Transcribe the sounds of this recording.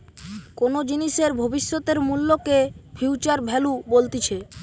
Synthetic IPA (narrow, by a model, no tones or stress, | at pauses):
konod͡ʑiniʃeɾbʱobiʃːot̪eɾmulːokefʰiwt͡ɕaɾbʱɛlubolt̪it͡ɕʰe